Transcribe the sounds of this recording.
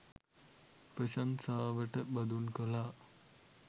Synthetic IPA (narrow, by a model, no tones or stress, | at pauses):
prɐʃansaːʋəʈəbɐd̪unkɐlaː